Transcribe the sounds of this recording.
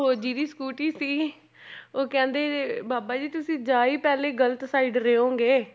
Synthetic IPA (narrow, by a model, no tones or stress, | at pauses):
ɦoːd͡ʒiːɾiːskuːʈiːsiː | oːkɛ̃ːnd̪eːbaːbaːd͡ʒiːt̪ʊsĩːd͡ʒaːiːpɛːleːɡələt̪saːɪɖɾeːõːɡeː